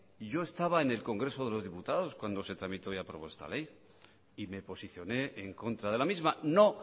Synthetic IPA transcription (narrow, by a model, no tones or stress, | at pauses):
ɟ͡ʝo̞e̞st̪aβaene̞lko̞ŋɡɾe̞so̞ðe̞lo̞zðiput̪aðo̞skwand̪o̞se̞t̪ɾamit̪o̞japɾo̞βo̞e̞st̪a̰le̞j | ime̞po̞siθjo̞ne̞ːŋko̞nt̪ɾað̞e̞lamizmano̞